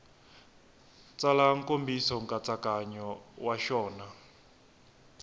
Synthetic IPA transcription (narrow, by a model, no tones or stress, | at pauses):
t͡sʼalaŋ̩kʼombisɔŋkʼat͡sʼakʼaɲɔwaʃɔːna